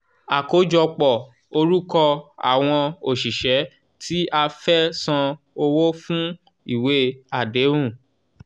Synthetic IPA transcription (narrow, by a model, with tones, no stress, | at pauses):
a˨ko˨˦d͡ʒɔ˧k͡pɔ˨ | o˧ɾu˦kɔ˧a̰˨w̃ɔ̃˧o˨ʃi˨ʃɛ˨˦ | tʰi˦ʔa˧fɛ˦sã˧ | o˧wo˦fũ˦ | i˦˨we˦a˨de˨˦ɾ̃ũ˦˨